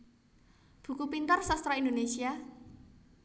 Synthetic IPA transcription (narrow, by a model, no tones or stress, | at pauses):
b̥ṳkupint̪ərsast̪ɾɔind̪onesia